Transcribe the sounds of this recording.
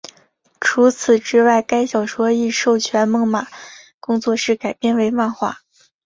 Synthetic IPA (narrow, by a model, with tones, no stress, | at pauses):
ʈ͡ʂʰu˧˥t͡sʰɹ̩˨˩ʈ͡ʂɻ̩˥wa˥˩ɪka˥ɪɕjɑ˨˩ʊʂwɔ˥i˥˧ʂo˥˩ʊt͡ɕʰɥɛ˧˥nmɤ˧˥ŋma˨˩˦ | kʊ˥ŋt͡swɔ˥˧ʂɻ̩˥˩ka˨˩ɪpjɛ˥˩nwe˧˥ɪma˥˧nxwa̰˥˩